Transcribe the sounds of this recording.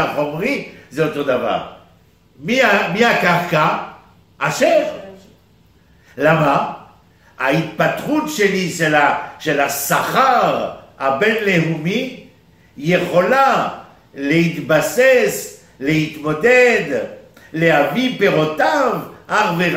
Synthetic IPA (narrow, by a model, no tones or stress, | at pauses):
aχo̞mʁizeot̪o̞d̪ava̰ʁ | miamiakaʁkaː | ʃeʁ | lama | ait̪pat̪χut̪ʃeliʃelaʃelasaχaʁabenleɦumi | jeχo̞la | leit̪bases | le̞hit̪mod̪ed̪ | leɦavipeʁot̪avaʁveʁ